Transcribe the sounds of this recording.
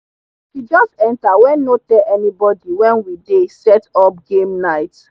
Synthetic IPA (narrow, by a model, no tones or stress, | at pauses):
fid͡ʒɔstɛ̃ntawɛ̃nːotɛlɛnibɔdiwɛ̃nwidesɛtɔp̚ɡẽmnaɪt